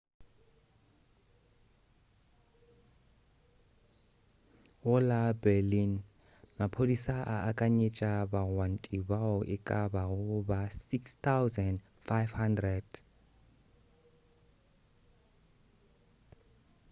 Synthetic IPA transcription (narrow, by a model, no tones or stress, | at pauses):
ʊlabɛlin | mapʰodisaʔaʔakʼaɲet͡ʃʼabaɣwan̩tʼibaɔʔɪkʼabaɣʊbasikst̪ʰawzɛnd | fajvhandrɛd̥